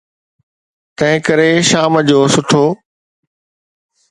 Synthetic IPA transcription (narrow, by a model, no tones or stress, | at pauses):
t̪ɐ̃ɦɪ̃kəɾeʃaːməd͡ʑoːsʊʈʰoː